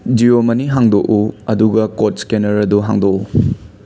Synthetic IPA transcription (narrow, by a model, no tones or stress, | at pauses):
d͡ʒiomɐniɦaŋdokʔuɐduɡɐkot̚skenɐɾɐduɦa̰ŋdoku